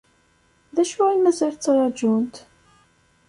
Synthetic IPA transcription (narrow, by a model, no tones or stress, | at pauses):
ðæʃuæimæzælt͡sːɾˤɑd͡ʒunt̪